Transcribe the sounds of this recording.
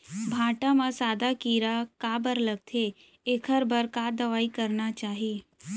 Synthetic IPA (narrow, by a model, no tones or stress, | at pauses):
bʱaːʈamãsaːd̪akiːɾakaːbəɾləɡ̚t̪ʰe | ekʰəɾbəɾkaːd̪ɐʋaːikəɾnat͡ʃaːɦieː